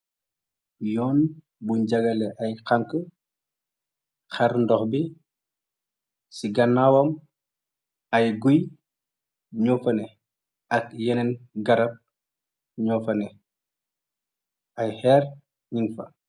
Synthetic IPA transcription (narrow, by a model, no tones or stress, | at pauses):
jɔːn | buɲɟɐɡɐlɛʔɐjkaŋkə | xaɾndɔxbi | siɡɐnːaːwɐm | ɐjɡuj | ɲɔːfɐnɛ | ɐk̚jɛnɛnɡɐɾɐp̚ | ɲɔːfɐnɛ | ʔɐjhɛːɾ | ɲiŋfɐ̰